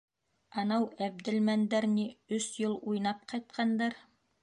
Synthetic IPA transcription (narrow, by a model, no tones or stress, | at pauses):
ɑnɑwæb̚d̪ɘ̆lmænd̪æɾniɵsjɤlˠujnɑp̚qɑjt̪̚qɑnd̪ɑɾ